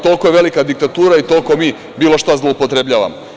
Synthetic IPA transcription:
t̪o̞lˠkojeʋe̞likad̪ik̚t̪at̪uːɾait̪o̞lkomiː | biːlo̞ʃt̪azlˠo̞upot̪ɾebʎaːʋa̰m

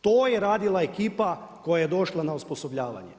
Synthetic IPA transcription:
t̪oːjeɾaːd̪ilˠaekiːpako̞jajed̪o̞ʃlˠanausposo̞bʎaːʋa̰ɲe

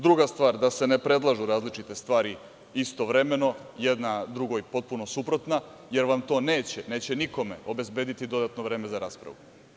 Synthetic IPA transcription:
d̪ɾuɡast̪ʋaːɾd̪ase̞nepɾe̞d̪lˠaʒuɾaːzlit͡ʃit̪e̞st̪ʋaːɾi | ist̪oʋɾeme̞no̞jed̪nad̪ɾuɡojpo̞t̪̚puno̞supɾo̞t̪na | je̞ɾʋamt̪o̞ːneːt͡ɕene̞ːt͡ɕe̞niko̞me̞̰o̞be̞zbe̞ːd̪it̪id̪o̞d̪at̪noʋɾe̞ːmezaɾaːspɾa̰ʋu

